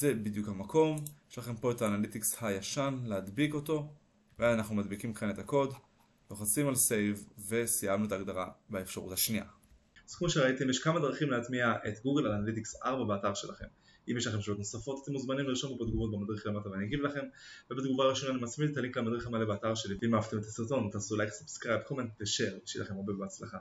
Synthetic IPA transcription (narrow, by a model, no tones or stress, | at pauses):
ze̞bid̪jukhamako̞mjeʃlaχe̞mpo̞etaːnalit̪ikshajaʃanlead̪biko̞to̞ | veazanaχnumad̪bikimkenet̪ako̞d | loχat͡simalse̞jvːe̞sijamnuet̪aːɡd̪aʁabeefʃaʁṵthaʃniʔa̰ | z̥kmo̞ʃeʁait̪emjeʃkamad̪ʁaχimleat̪miaʔet̪ɡuɡelalanalit̪iksa̰ʁbabeataʁʃe̞̰laχe̞̰m | imjeʃlaχemʃalot̪no̞safo̞t̪at̪emuzmanimliʁʃamubed̪ɡumot̚bemadʁiχlemat̪aveaniɡivlaχe̞mvebed̪ɡuvaːʁiʃo̞naːnimat͡smid̪taliŋklamad̪ʁiχamalebeataʁʃeliimaavt̪emet̪asiʁto̞nt̪aːsulajksepskʁabkolmanteʃeʁeʃḭlaχemabebeat͡slaχa